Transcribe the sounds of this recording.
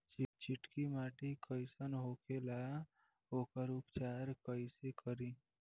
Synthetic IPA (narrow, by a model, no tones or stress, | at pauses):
t͡ʃt͡ʃɪʈkimaːʈikəɪsənɦokelaa | oːkəɾʊpt͡ʃaːɾkəɪsekəɾi